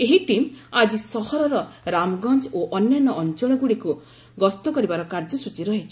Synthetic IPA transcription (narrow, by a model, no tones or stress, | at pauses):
eɦiʈimad͡ʒisɔhɔɾɔɾɔɾamɔɡɔnd͡ʒoʔɔnjanɔːnt͡ʃɔɭ̃ɔɡuɽiku | ɡɔst̪ɔkɔɾibaɾɔkaɾd͡ʒɔsut͡ʃiɾɔɦit͡ʃʰɔ̥